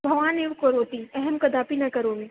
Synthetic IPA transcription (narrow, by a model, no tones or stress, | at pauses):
bʱɐʋaːneːʋkoɾoːt̪iɛɦɛmkɐd̪aːpinɐkɐɾoːɡe